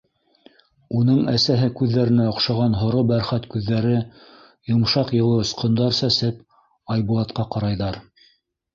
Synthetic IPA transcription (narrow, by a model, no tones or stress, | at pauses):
unɤɴæsæɦɘkʉðːæɾɘ̆næŏqʃɑʁɑnɦŏɾobæɾχæt̪kʉðːæɾɘ | jŏmʃɑqjɤ̆lˠɤŏsqŏnd̪ɑɾsæsɘp | ɑjbulˠɑt̪qɑqɑɾɑjðɑɾ